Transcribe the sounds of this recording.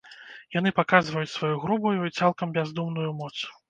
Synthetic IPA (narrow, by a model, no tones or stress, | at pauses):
jan̪ɨpakazvɐjut͡sʲsvajuɣɾubujuit̪salˠkɐmbʲazd̪umnujumɔt̪s